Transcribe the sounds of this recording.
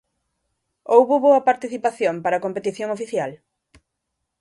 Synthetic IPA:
owβʊβoɐpaɾt̪iθipaθjompaɾakompet̪iθjoŋofiθjal

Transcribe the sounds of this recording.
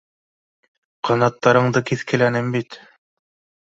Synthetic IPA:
qʰɑnɑt̪ːɑɾɤ̆ɴd̪ɤkiθkɘ̆lænɘmbit̪

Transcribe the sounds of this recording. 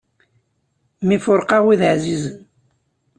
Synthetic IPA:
mifʊɾqɑʁwiðʕzizən

